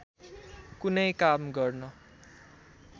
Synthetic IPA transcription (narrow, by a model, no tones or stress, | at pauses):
kunʌjkamɡʌrnʌ